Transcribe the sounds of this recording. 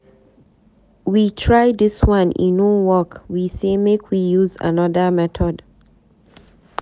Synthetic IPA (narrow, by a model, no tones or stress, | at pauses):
witʰɹajdiswãnʔḭ̃nowɔkwisemekʰwijuza̰nɔdəmɛtʰɔd